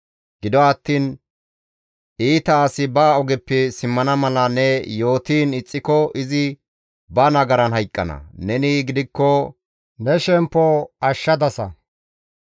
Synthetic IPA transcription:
ɡɪd̪ɔɐt̪ːiːn | ʔiːt̪ɐːsɪbaːɔɡɛpːɛsɪmːɐnɐmɐlɐnɛjo̞ːt̪iːnɪt͡sʼːɪkɔɪzɪ | bɐnɐɡɐɾɐnhɐjkʼːɐ̰nɐ̰nɛnɪɡɪd̪ɪkːɔ | nɛʃɛmpːɔɐʃːɐd̪ɐsɐ̰

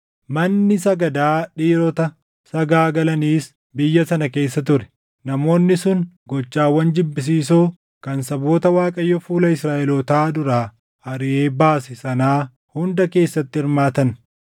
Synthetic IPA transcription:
mɐnːɪsɐɡɐd̪aːᶑiːɾɔt̪ɐ | sɐɡaːɡɐlɐniːs | bɪjːɐsɐnɐke̞ːsːɐt̪ʊɾɛ̥ | nɐmo̞ːnːɪsʊn | ɡɔt͡ʃːaːwːɐnd͡ʒɪbːɪs̬iːsoː | kɐnsɐbo̞ːt̪ɐwaːkʼɐjːɔfuːlɐɪsɾaːʔɛlɔt̪aːd̪ʊɾaː | ɐɾɪʔe̞ːbaːsɪsɐnaː | hʊnd̪ɐke̞ːsːɐt̪ːɪɪɾmaːt̪ɐn

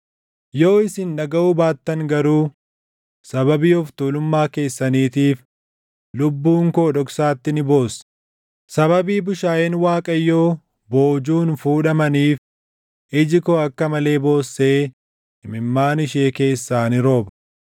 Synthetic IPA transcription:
joːɪsɪnᶑɐɡɐʔuːbaːt̪ːɐŋɡɐɾuː | sɐbɐbiːɔft̪uːlʊmːaːke̞ːsːɐniːt̪iːf | lʊbːuːŋkoːᶑɔksaːt̪ːɪnɪbo̞ːs | sɐβɐbiːbʊʃaːjɛnwaːkʼɐjːo̞ː | bo̞ːd͡ʒuːnfuːᶑɐmɐniːf | ɪd͡ʒɪkoːɐkːɐmɐle̞ːbo̞ːsːe̞ː | ɪmɪmːaːnɪʃe̞ːke̞ːsːaːnɪɾo̞ːbɐ̥

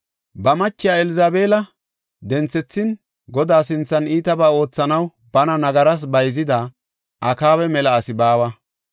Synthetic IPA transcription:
bɐmɐt͡ʃːɪjaːɛlɪzaːbe̞ːlɐ | d̪ɛnt͡sːɛt͡sːɪn | ɡɔd̪aːsɪnt͡sːɐniːt̪ɐbaːo̞ːt͡sːɐnɐw | bɐnɐnɐɡɐɾɐs̬bɐjzɪd̪a | ʔɐkaːwɛmɛlɐːsɪbaːwɐ

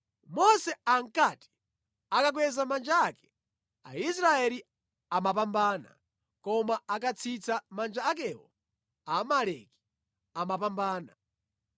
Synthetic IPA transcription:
mɔsɛaŋ̩kati̥ | akak̬wɛzamand͡ʒaakɛ̥ | a̰isɾaɛli | amapambaːna̰ | kɔmaakat͡sʰit͡sʰamand͡ʒaakɛwɔ | amalɛki̥ | amapambaːna̰

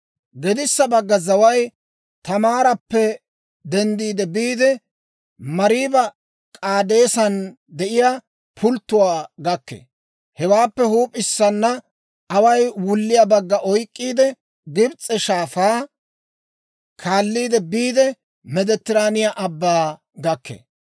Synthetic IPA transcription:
ɡɛd̪ɪsːɐbɐɡːɐzɐwɐj | t̪ɐmaːɾɐpːɛ | d̪ɛnd̪iːd̪ɛbiːd̪ɛ | mɐɾiːbɐ | kʼaːd̪e̞ːsɐn | d̪ɛʔɪja | pʰʊlt̪ːʊwaːɡɐkːḛ | hɛwaːpːɛhuːpʼɪsːɐnːɐ | ɐwɐjwʊlːɪjabɐɡːɐʔɔjkʼːiːd̪ɛ | ɡɪbt͡sʼɛʃaːfaː | kʰaːlːiːd̪ɛbiːd̪ɛ | mɛd̪ɛt̪ːɪɾaːnɪjaʔɐbːaː | ɡɐkːḛː

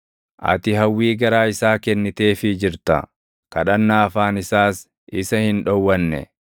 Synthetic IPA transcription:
ʔɐ̰t̪ɪɦɐwːiːɡɐɾaːɪsaːkɛnːɪt̪e̞ːfɪd͡ʒɪɾt̪ɐ̰ | kɐᶑɐnːaːɐfaːnɪsaːs | ɪsɐhɪnᶑɔwːɐnːɛ̰

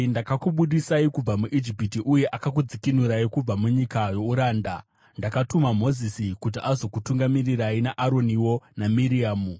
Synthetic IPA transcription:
ndakakuɓuɗisaikub͡vamuʔid͡ʒipitiʔuje̞ʔakak̬ud͡zikinuɾaikub͡vamuɲikajo̞uɾaːnda | ndakatumam̤o̞zisikut̬iʔazo̞kutuŋɡamiriɾainaʔaɾo̞niwo̞namiɾiaːmu

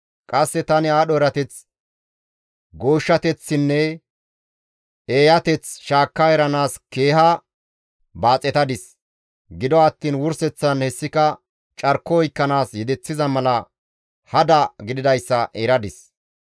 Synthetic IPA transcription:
kʼɐsːɛt̪ɐnɪaːɗɔɛɾɐt̪ɛt͡s | ɡo̞ːʃːɐt̪ɛt͡sːɪnːɛ | eːjɐt̪ɛt͡sʃaːkːɐɛɾɐnaːske̞ːɦɐ | baːt͡sʼːɛt̪ɐd̪ɪs | ɡɪd̪ɔɐt̪ːiːnwʊɾsɛt͡sːɐnhɛsːɪkɐ | t͡ʃʼɐɾkːɔɔjkːɐnaːsjɛd̪ɛt͡sːɪzɐmɐlɐ | hɐd̪ɐɡɪd̪ɪd̪ɐjsːɐʔɛɾɐd̪ɪs

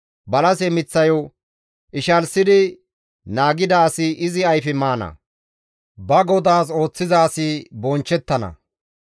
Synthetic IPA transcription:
bɐlɐsɛmɪt͡sːɐjɔ | ʔɪʃɐlsɪd̪ɪ | naːɡɪd̪ɐːsɪʔɪzɪɐjfɪmaːnɐ̰ | bɐɡɔd̪aːs̬o̞ːt͡sːɪzaːsɪbɔnt͡ʃːɛt̪ːɐnɐ̰

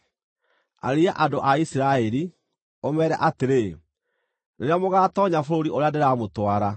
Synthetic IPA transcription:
a̰ɾiaʔadoʔaisiɾaɛɾi | omɛɾɛ̰ʔateɾe | neɾeamoɣaːtɔɲafoɾoɾiʔoɾeandeɾaːmotwaɾa

